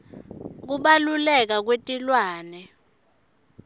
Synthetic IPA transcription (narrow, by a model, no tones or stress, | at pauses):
k̬uɓalulɛk̬ak̬wetʼilwaːnɛ